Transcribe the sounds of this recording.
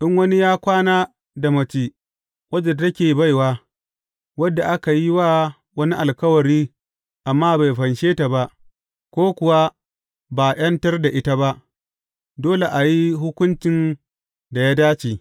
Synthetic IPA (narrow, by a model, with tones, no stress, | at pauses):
ʔɪ˦ŋwɐ˦ni˦jaː˦kʷaː˦naː˦ | da˨mɐ˨t͡ʃiː˦ | wʷɐ˦d͡ʒɪ˨rtɐ˦kʲeː˨ba˦˨jwaː˦ | wɐ˦dːa˨ʔa˦ka˨ji˦waː˦ | wɐ˦ni˦ʔa˨lkɐ˦wɐ˨ɽiː˦ | ʔa˨mːaː˦ba˨jɸɐ˨nʃeː˦ta˨ba˦ʔ | kʷoː˦kʷʊ˨wa˦ | baː˨j̰ɐ˦ntɐ˦rda˨ʔɪ˦ta˦ba˦ʔ | doː˦le˨ʔa˨ji˦ɦʊ˦kʷʊ˦nt͡ʃɪ˨n | da˨jaː˦daː˦t͡ʃiː˨